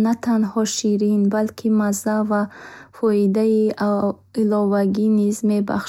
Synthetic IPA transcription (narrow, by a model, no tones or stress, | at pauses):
nat̪ʰanhɔʃiɾinbalkʰimazavafɔid̪ai | ilɔvaɡinizmeba̰χʃ